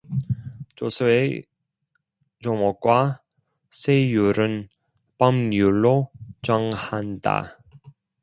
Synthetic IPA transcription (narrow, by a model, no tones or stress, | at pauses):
t͡ɕosʰɯe | t͡ɕomʌk̚k͈wa | sʰejuɾɯn | pʌmjuɭːot͡ɕʌŋhanda̰